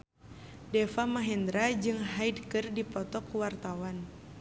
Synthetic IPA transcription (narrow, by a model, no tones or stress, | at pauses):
dɛfamaɦɛnd̪ɾad͡ʒɨŋɦaidkɨrdipɔt̪ɔkuwart̪awan